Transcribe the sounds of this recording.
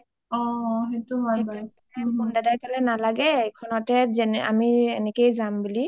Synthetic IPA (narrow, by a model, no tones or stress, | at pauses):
ɔɦetumaba | mɔndadajkalɛnalaɡɛekʰɔnɔtɛzɛna̰miɛnɛkejzambuli